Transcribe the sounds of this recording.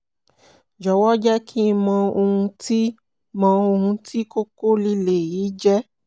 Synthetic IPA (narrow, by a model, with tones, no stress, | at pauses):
d͡ʒɔ˨wɔ˦d͡ʒɛ˦kʰi˦˧mã˧o˧hũ˧ti˦ | mã˧o˧hũ˧ti˦ko˦ko˦li˦le˨jiː˨˦d͡ʒɛ˦